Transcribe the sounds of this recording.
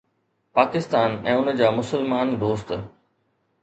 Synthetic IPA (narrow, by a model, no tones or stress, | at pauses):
paːkɪst̪aːnɛ̃ːʊnəd͡ʑaːmʊsəlmaːnd̪oːst̪